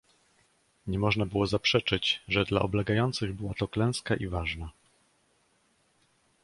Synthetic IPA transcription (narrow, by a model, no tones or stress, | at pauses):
ɲɛmɔʐnabɘwɔzapʂɛt͡ʂɘd͡ʑʐɛd̪la̰ʔɔblɛɡajɔnt̪sɘɣbɘwat̪ɔklɛ̃w̃skaʔivaʐna